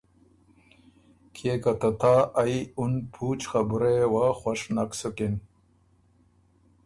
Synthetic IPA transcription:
kʰekat̪at̪ʰaːajunpʰut͡ɕxabuɾewaxaʂnaksukin

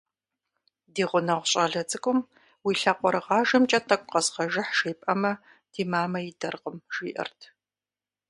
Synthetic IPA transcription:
diːʁʷʊnɐʁʷɕʼɐɮɐt͡sʼɨkʷʼʊm | wiːɬɐqʷɔɾɨʁɑːʒɨmt͡ʃʼɐtʰʼɐkʷʼqɐsʁɐʒɪħʃejpʼɐmɐ | d̥iːmaːmɐjɪdɐrqəmʒ̥iːʔɐ̰rtʰ

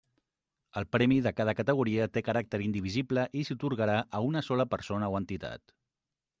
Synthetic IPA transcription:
əlˠpɾɛmiðəkað̞əkət̪əɣ̞uɾiət̪ekəɾak̚t̪əɾind̪iβizibləʔisut̪uɾɣəɾaʔəunəsɔləpəɾsonəoənt̪it̪a̰t̪

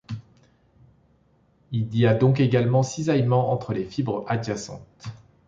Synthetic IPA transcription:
ilijad̪ɔ̃k̬eɡalmɑ̃sizajmɑ̃ɑ̃t̪χəlefibʁəʔad͡ʒasɑ̰̃t̪

